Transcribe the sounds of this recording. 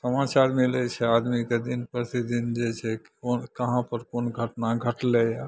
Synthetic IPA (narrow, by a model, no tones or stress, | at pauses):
səmat͡ʃaɾmilɛt͡ʃʰɛad̪miked̪inpəɾsid̪ind͡ʒet͡ʃʰɛk | onkəɦãpəɾkonɡʱəʈnaɡʱəʈleja